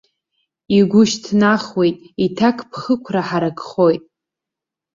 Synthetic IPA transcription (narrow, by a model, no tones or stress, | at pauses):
iɡʷʊʃtʰnaχwe̞jtʼitʰakʰʼpʰχəkʷʰraħaɾakʼχo̞jtʼ